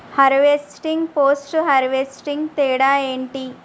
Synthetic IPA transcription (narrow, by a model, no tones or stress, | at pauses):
hɐɾʋesʈiŋɡpoːsʈɦɐɾʋesʈiŋɡt̪eːɽaːeːɳʈi